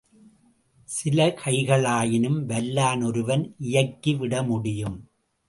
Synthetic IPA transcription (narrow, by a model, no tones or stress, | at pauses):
sɪlɐkʰɐɪɣɐɭaːjɪnɯmʋɐlːaːnɔɾɯʋɐnʔɪjɐkːiʋɪɽɐmʊɽɪjɯm